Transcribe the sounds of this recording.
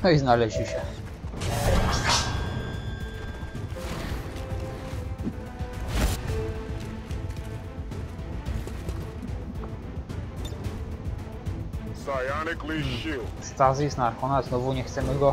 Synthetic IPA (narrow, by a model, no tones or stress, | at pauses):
nɔiznalɛʑiɕɛ | sajanɛkliɕist̪azisnaɾxɔnaznɔvuɲɛxt̪sɛmɘɡɔ